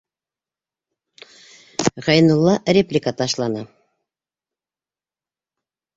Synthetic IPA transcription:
ʁɑjnŭlˠːɑrʲeplʲɪkat̪ɑʃlˠɑnɑ

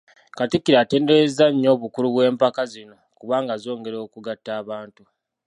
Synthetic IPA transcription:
katikːiɾaːte̞ːndeezaɲːo̞ːβukuluβwe̞ːmpakazino̞kuβaːŋɡazo̞ːŋɡe̞ɾoːkuɡatːaːβaːntu

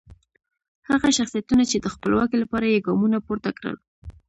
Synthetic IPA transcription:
haɣaʃaxsijat̪unat͡ʃed̪əxpəlwɑkilapɑɾajeɡɑmunapoɾt̪akɾə̰l

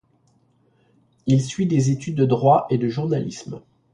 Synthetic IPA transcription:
ilsɥid̪ezet̪yd̪̚ːəd̪ʁwaʔed̪əʒuʁnalism

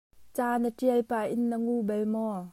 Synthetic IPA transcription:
t͡saːnəʈ͡ʂiəlpaːʔɪnːəŋubɛlmɔ

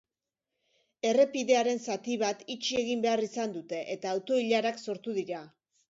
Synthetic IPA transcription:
e̞re̞piðe̞aɾe̞nsat̪iβ̞at̪it͡ʃie̞ɣimbe̞arisand̪ut̪e̞ʔet̪aːwt̪o̞iʎaɾakso̞ɾt̪uðiɾa

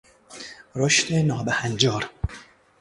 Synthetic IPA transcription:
ɾoʃt̪ʰenɒːbæhænd͡ʒɒːɾ

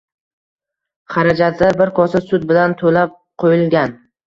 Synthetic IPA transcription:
χɑɾad͡ʒat̪ʰlaɾbɪɾkʰɒsasʊd̪̚bɪlant̪ʰolap̚qʰojɪlˠɡʲan

